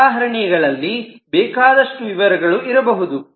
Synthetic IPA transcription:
aːɦɐɾɐɳijɐɡɐɭɐlːi | bɛːkaːd̪ɐʂʈuʋiʋɐɾɐɡɐɭuiɾɐbɐɦud̪u

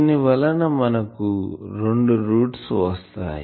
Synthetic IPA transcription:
niʋɐlɐnɐmɐnɐkuɾeɳɖuɾuːʈsʋɐst̪a̰ːj

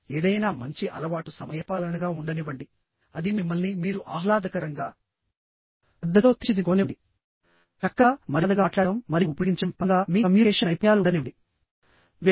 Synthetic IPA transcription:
eːd̪ɐjnaːmɐɲt͡ʃiʔɐ̰lɐʋaːʈusɐmɐjɐpaːlɐnɐɡaːuɳɖɐniʋɐɳɖi | ɐd̪imimːɐlnimiːɾuʔaːlaːd̪ɐkɐɾɐŋɡaː | ɐd̪ːɐt̪oːt̪it͡ʃid̪iɡoːneɖi | t͡ʃɐkːaːmɐɾɐd̪ɐɡaːʈlaːɽɐmːɐɾiupiɡiɲt͡ʃɐmpɐŋɡaːmiːɐmjuɛːʂɐnɐjpɔjaːluɳɖɐniʋɐɖi | ʋ

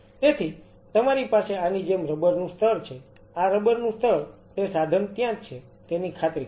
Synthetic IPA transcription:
t̪et̪ʰi | t̪əmaɾipaseanid͡ʒemɾəbəɾnũst̪ʰəɾt͡ʃʰe | aɾəbəɾnũst̪ʰəɾt̪esad̪ʱənt̪jãt͡ʃʰe | t̪enikʰat̪ɾi

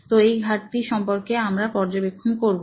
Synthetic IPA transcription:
t̪oejɡʱaʈt̪iʃɔmpoɾkeamɾapɔɾd͡ʑobekʰːonkoɾbo

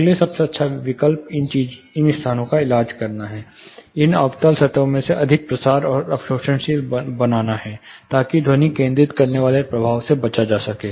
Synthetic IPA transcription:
lesɐbseɐtːʃʰaʋɪkəlpɪnt͡ʃiːd͡ʒ | ɪnɪst̪ʰaːnõkaɪlaːd͡ʒkɐɾnaɦɛː | ɪnɐʋt̪alsɐt̪õmẽseʔɐd̪ʱɪk̚pɾɐsaːɾɔːɾɐpʃoːʃənʃiːlbɐnaːnaɦɛt̪aːkid̪ʱoːnikẽːnd̪ɾɪt̪kɐɾneʋaːlepɾɐbʱaːʋsebɐt͡ʃad͡ʒaːsɐkeː

